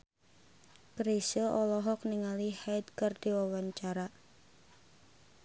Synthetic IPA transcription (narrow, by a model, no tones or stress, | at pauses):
kɾisəɔlɔɦɔk̚niŋalihajt̪̚kərd̪̥iwawaɲt͡ʃaɾa